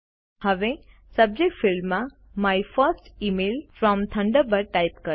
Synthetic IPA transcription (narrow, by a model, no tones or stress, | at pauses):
həʋe | səb̚d͡ʒek̚ʈfɪlmːã | majfəsʈimelfɾɔmt̪ʰə̃ɳɖəbəɾʈajpkəɾ